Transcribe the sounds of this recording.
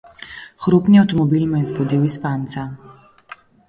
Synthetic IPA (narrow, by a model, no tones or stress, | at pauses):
xɾupniawt̪ɔmɔbilmajɛzbɔd̪iwispant̪sa